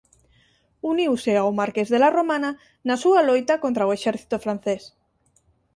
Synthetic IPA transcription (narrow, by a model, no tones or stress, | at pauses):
uniwseawmaɾkezðelaromãna | nasualojt̪akont̪ɾaoeʃɛɾθi̥t̪ofɾan̟θes